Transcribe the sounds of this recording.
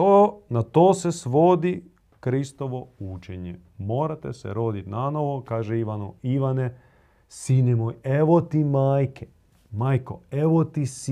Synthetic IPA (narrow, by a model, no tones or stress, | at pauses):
onat̪oːsesʋo̞d̪i | kɾist̪oʋo̞ut͡ʃeɲḛ | mo̞ːɾat̪ḛsḛɾo̞d̪it̪nanoʋokaːʒeiʋanoiʋane | sinemoːjeʋot̪imaːjke | maːjko̰eʋot̪is